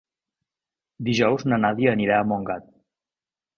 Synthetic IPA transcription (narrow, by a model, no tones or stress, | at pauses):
d̪iʒɔwznənaðiəniɾaəmoŋɡat̪̚